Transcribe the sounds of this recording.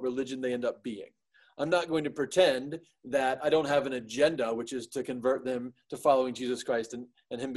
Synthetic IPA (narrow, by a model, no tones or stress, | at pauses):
t̚ɹɨlɪd͡ʒɨ̃nðeɪɛ̃ndʌp̚b̥iɪ̰̃ŋ | ʔãɪ̃mnət̚ɡ̥oʊɪ̃ŋtʰɨpʰɹ̥itʰɛ̃n | ðɨɾaɪɾõʊ̃nt̚ɦɨvɨ̃nɨd͡ʒɛ̃ndəwɨt͡ʃɨz̥tʰɨkɨ̃ɱvɜ˞t̪̚ðɨ̃mtʰɨfɑlˠoʊɪ̃ŋd͡ʒizɨskʰɹ̥aɪstɨ̃n | ɨ̃nɨ̃m